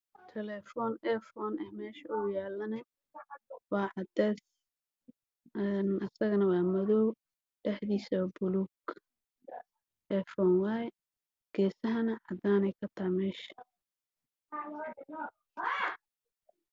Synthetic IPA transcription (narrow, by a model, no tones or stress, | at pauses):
t̪ʰɛlɛːfɔːnɛfɔːnɐhmɛːʃɐʊjaːlːɐnɐ | wɑːʕɑd̪ɛːs | ɛnɐsɐɣɐnɐwɑːmɐðɔw | ɖ̥ɛħd̪iːsɔbʊluɡ | ʔɛfɔːnwaːɛ | ɡ̥ɛːsɐɦɐnɐʕɑd̪aːnɛjkʰɐt̪ʰɐmɛːʃɐ̥